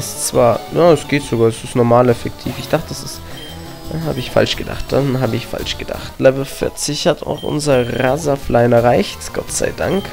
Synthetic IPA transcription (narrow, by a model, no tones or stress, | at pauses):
ɛst͡sv̥aːɐjaːɛsɡ̥eːtz̥oɡaːɐɛsɪstnɔɐmaːlɛfɛk̚tʰiːfɪçd̥aχtədasɪs | aha̰ːbəɪçfa̰lʃɡ̥əda̰χt̚d̥anɦaːbəɪçfa̰lʃɡ̥əd̥a̰χtlɛvl̩fɪ̰ɐt͡sɪçhatʰa̰ʊxʔʊ̰nzɐʁaːzaflʔaɪnɛɐʁaɪçtɡ̥ɔ̰tz̥a̰ɪda̰ŋk